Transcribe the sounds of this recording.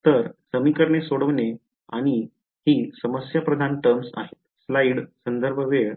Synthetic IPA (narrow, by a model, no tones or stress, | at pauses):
t̪əɾsəmikəɾɳesoɽəʋne | aɽ̃i | hiːsəməsjapɾəd̪ʱanʈəɾmsa̰ɦet̪̚slaiɽsənd̪əɾbʱəʋeɭ